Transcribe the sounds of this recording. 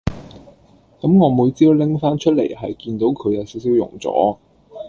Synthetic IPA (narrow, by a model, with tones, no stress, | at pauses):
kɐ˨˥mŋɔː˨˧muː˨˧jt͡siː˥wlɪ˥ŋfaː˥nt͡ʃʰɵ˥t̚lḛ˨˩jɦɐ˨jkiː˧nt̪o˨˥wkʰɵ˨˧ɥjɐ˨˧wsiː˨˥ws̬iː˨˥wjʊ̰˨˩ŋt͡sɔ̰ː˨˥